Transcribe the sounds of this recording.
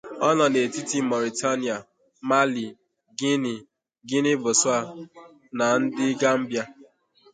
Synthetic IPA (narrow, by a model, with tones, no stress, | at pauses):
ɔ˦nɔ˨ne˨ti˦ti˦mɔ˨ɾi˨ta˦n˨a˨ | ma˦li˨ | ɡi˦ni˨ | ɡɪ˦nɪ˦bʊ˨sʊ˦a˦ | na˨n̩˦dɪ˦ɡa˦m̩˦bja˦